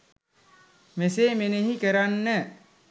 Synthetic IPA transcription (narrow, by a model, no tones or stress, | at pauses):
meseːmeneɦikəɾanːə